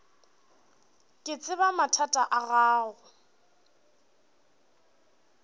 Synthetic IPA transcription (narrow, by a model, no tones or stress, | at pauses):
kʼɪt͡sʼɪbamatʰatʼaʔaɣaːɣʊ